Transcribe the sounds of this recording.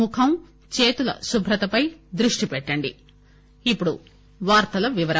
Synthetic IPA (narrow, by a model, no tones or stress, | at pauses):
ukʰɐm | t͡ʃeːt̪ulɐ̰subʱɾɐt̪ɐpɐjd̪ɾuʂʈipɛʈːɐɳɖi | ipːuɽu | ʋaːɾt̪ɐlɐʋiʋɐɾɐ